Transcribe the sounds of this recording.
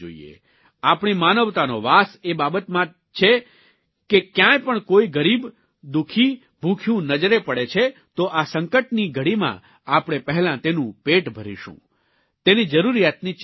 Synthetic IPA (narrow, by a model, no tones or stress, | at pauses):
o̰ḭḛ | apɳ̃imanəʋt̪anoʋasebabət̪mã | t͡ʃʰe | kekjãjpəɳkoiɡəɾib | d̪ukʰi | bʱukʰjũnəd͡ʒɾepəɽet͡ʃʰet̪oʔasəŋkəʈniɡʱəɽimã̰ | apɽ̃epəɦlãt̪enũpeʈbʱəɾḭʃṵ̃ | t̪enid͡ʒəɾuɾijat̪ni